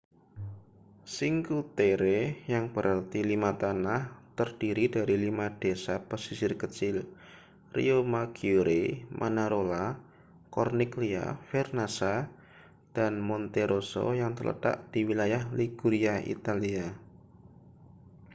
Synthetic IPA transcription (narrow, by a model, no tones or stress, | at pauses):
siŋkut̪eɾejaŋb̥əɾʔart̪ilimat̪anaht̪ərd̥iɾidaɾilimad̥esapəsisɪrkət͡ʃɪl | rḭomaɡiuɾemʔanaɾola | kɔrniklia̰fɛrnasa | d̥anmɔnt̪eɾoso̰jaŋt̪ərlə̰t̪a̰ʔd̪̥iwilajahliɡ̥uɾiaʔḭt̪alia